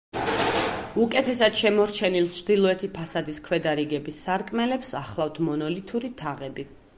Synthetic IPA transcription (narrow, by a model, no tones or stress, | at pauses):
ukʼɛt̪ʰɛsad̪̥ʃɛmɔɾt͡ʃʰɛnilˠt͡ʃʰd̪ilˠɔɛt̪ʰipʰasad̪iskʰwɛd̪aɾiɡɛbisːaɾkʼmɛlɛpsaχlˠaft̪ʰmɔnɔlit̪ʰuɾit̪ʰaʁɛbi